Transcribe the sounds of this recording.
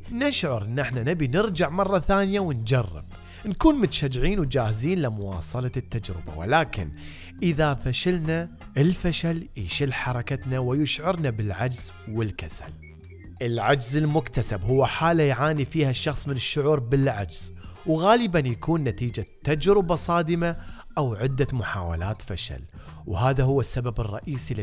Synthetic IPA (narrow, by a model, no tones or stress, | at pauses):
nɪʃʕʊɾʔɪnːʔɪħnanabinɪɾd͡ʒaʕmɑrˤːɑθaːnjawɪnd͡ʒarˤːɪ̰b̥̚ | nkuːnmʊt̪aʃad͡ʒːɪʕiːnwd͡ʒaːhziːnlɪmʊwɑ̰ːsˤɑlɑt̪ːad͡ʒɾɪ̰ba̰wɪ̰laːkɪ̰n | ʔɪðafaʃalna | ʔɪlfaʃalɪʃɪlħɑɾˤɑkat̪nawɪjɪʃʕʊɾnabɪlʕad͡ʒz̥ | wɪlkasa̰l | ʔɪlʕad͡ʒzɪlmʊkt̪asabhʊwːaħaːlajʕaːnifiːhaʃːɑxsˤmɪnɪʃːʊʕuːɾbɪlʕad͡ʒz̥wɣaːlɪbanjakuːnːat̪iːd͡ʒat̪ːad͡ʒɾɪbasˤɑːd̪ɪma | ʔawʕɪd̪ːamʊħa̰ːwa̰laːt̪faʃa̰l | whaːðaɦʊwːasːababɨrˤːɑ̰ʔiːsil